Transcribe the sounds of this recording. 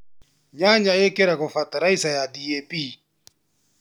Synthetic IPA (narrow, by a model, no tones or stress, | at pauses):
ɲaɲaɛkɛɾakʊfataɾaisajadiepʼiː